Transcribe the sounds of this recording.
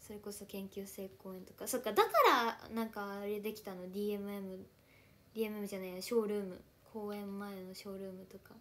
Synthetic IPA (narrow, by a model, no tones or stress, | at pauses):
so̞ɾe̞ko̞so̞kẽ̞ŋkʲɨːse̞ːko̞ːẽ̞nt̪o̞̥kaso̞kːad̪akaɾanãŋkaːɾʲed̪e̞kʲi̥t̪ano̞d̪ʲiːe̞mɯe̞mɯ̟ | d̪ʲiːe̞mɯ̟e̞mɯ̟ʑanaioɕo̞ːɾɯ̟ːmɯ̟̰ | kʰo̞ːẽ̞mːae̞no̞ɕo̞ːɾɯ̟ːmɯ̟t̪o̞ka